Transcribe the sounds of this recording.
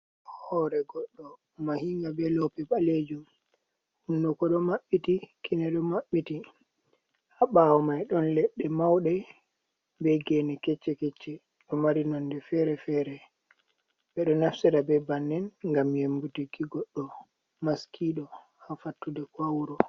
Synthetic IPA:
hɔɾɛɡɔɗːɔ | mahiŋɡabɛlɔpɛɓaled͡ʒum | hundukɔɗɔmaɓːitikinɛɗɔmaɓːiti | haɓawɔmajɗɔnlɛɗːɛmawɗɛ | bɛɡɛnɛkɛt͡ʃːɛkɛt͡ʃːɛ | ɗɔmaɾinɔndɛfɛɾɛfɛɾɛ | bɛɗɔnafsiɾabɛbanːɛnŋɡamjemɡutikiɡɔɗːɔ | maskʰiɗɔ | hafatːudɛkwawɾɔ

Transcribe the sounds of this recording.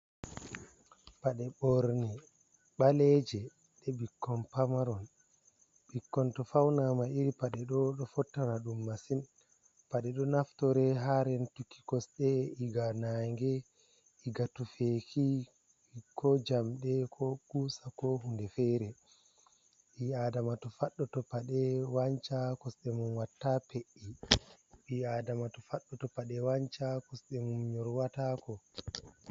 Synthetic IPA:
paɗɛɓɔɾni | ɓalɛd͡ʒɛ | ɗɛɓikʰːɔnpamaɾɔn | ɓikːɔntɔfawnamaiɾipaɗɛɗɔɗɔfɔtːaɾaɗumːasin | paɗɛɗɔnaftɔɾɛɦaɾɛntukʰːi̥kɔsɗɛiɡanaŋɡɛ | iɡatufekʰi | kɔd͡ʒamɗɛkʰɔkusakɔɦundɛfɛɾɛ | ɓiadamatɔfaɗːɔtɔpaɗɛwaɲt͡ʃakɔsɗɛmunwatːapʰeʔːi | ɓiadamatɔfaɗːɔtɔpaɗɛwaɲt͡ʃakɔsɗɛmumɲɔɾwatakɔ

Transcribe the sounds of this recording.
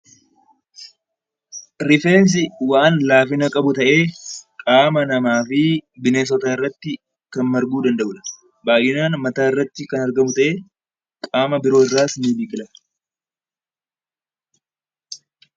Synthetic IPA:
ɾɪfe̞ːns̬ɪwaːnlaːfɪnɐkʼɐbʊt̪ɐʔe̞ːkʼaːmɐnɐmaːfɪbɪneːs̬ɔt̪aːɪrːɐt̪ːɪ | kɐnmɐɾɡuːd̪ɐnd̪ɐʔʊᶑ̪ɐ̥ | baːjʔɪnaːnmɐt̪aːɪrːɐt̪ːɪkɐnɐɾɡɐmʊt̪ɐʔe̞ː | kʼaːmɐbɪɾo̞ːɪrːaːsniːbiːkʼɪlɐ

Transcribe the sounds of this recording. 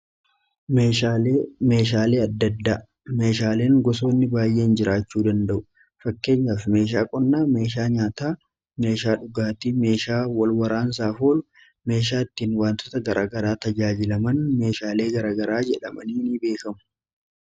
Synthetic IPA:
meʃaeme̞ːʃ̬aːle̞ːɐd̪ːɐd̪ːaː | me̞ːʃaːle̞ːŋɡɔso̞ːnːɪbaːjːe̞ːɪnd͡ʒɪɾaːt͡ʃːuːd̪ɐnd̪ɐʔʊ | fɐkːe̞ːɲːaːfme̞ːʃ̬aːkʼɔnːaːme̞ːʃ̬aːɲaːt̪aː | me̞ːʃaːᶑʊɡaːt̪iːme̞ːʃaːwɐlwɐɾaːns̬aːfoːl | me̞ːʃ̬aːɪt̪ːiːnwaːnt̪oːt̪ɐɡɐɾʔaːɡɐɾaːt̪ɐd͡ʒaːd͡ʒɪlɐmɐnme̞ːʃaːle̞ːɡɐɾaːɡɐɾaːd͡ʒɛᶑɐ̰mɐniːnibe̞ːkɐmʊ̥

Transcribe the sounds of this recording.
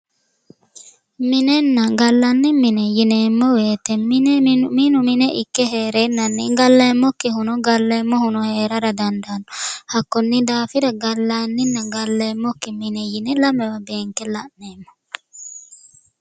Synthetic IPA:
minɛnːɐɡɐlːɐnːiminɛjineːmːɔweːt̪ɛminminuminɛʔikːɛɦeːɾenːɐnːiɡɐlːemːɔkːiɦʊnɔɡɐlːeːmːɔhʊnɔheːɾɐɾɐd̪ɐnd̪anɔhɐkːɔnːid̪aːfiɾɐɡɐlːanːinːɐɡɐlːeːmːɔkːiminɛjinɛlɐmɛwɐbeːŋkɛlɐʔneːmːɔ̥

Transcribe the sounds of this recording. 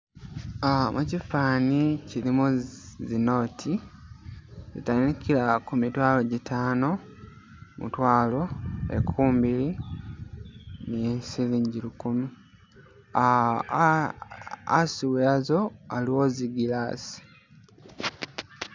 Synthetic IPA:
amucifaːnicilimuzino̞ːtʰi | zḭtanikilakumitwaːlo̞ɟitʰaːno̞ | mṵtwaːlo̞ḛkʰuːmbili | niesiziːɲɟilukumu | a | asiweazo̞aliwoziɡilasi̥

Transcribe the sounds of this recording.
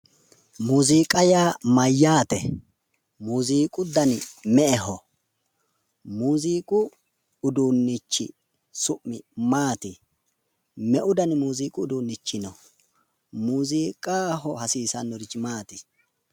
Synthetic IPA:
muːziːkʼɐjaːmɐjːaːt̪ɛ | muːziːkʼʊd̪ɐnɪmɛʔɛɦɔ | muːziːkʼʊ | ʊd̪unːɪt͡ʃːɪ̰ | sʊʔːɪmaːt̪ɪ | mɛʔʊd̪ɐnɪmuːziːkʼʊːd̪uːnːɪt͡ʃːɪnɔ | muːziːkʼaːɦɔhɐsiːsɐnːɔɾɪt͡ʃːɪmaːt̪ɪ̥

